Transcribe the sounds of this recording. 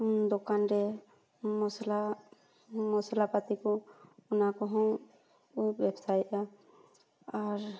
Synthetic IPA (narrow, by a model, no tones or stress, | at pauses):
d̪ɔkanɾɛ | mɔsla | mɔsalapat̪ikɔɔnakɔɦɔ̃w | ubɛbsajt̪ʔa | aɾ